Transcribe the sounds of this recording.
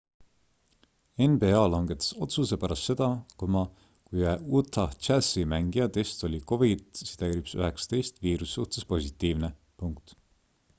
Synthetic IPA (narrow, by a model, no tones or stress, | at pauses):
e̞nbe̞ɑːlɑŋɡ̥e̞t̪e̥so̞t̪suse̞pæɾɑst̪ːse̞d̪̥ɑkomɑ | kujɑut̪ʰːɑt͡ʃæsimæŋɡ̥ijɑt̪e̞st̪o̞lʲiko̞vit̪si̥t̪æjɾipsy̰ɦe̞ksɑ̥t̪e̞jst̪viːɾusːuht̪e̞spo̞sʲit̪ːˑiːvne̞ | puŋkt̪